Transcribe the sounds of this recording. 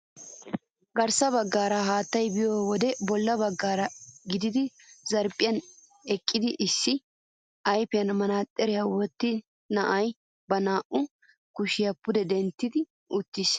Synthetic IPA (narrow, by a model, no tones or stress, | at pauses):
ɡɐɾsɐβɐɡːaːɾɐɦaːt̪ːɐjbɪjoːwɔd̪ɛbɔlːɐbɐɡːaːɾɐɡɪd̪ɪd̪ɪ | zɐɾpʼɪjɐn | ɛkʼːɪd̪ɪʔɪsːɪ | ɐjpɪjɐnmɐnaːt̪ʼːɛɾɪjawɔt̪ːɪ | nɐʔɐj | bɐnaːʔʊ | kʊʃɪjɐpːʊd̪ɛd̪ɛnt̪ːɪd̪ɪ | ʊt̪ːɪs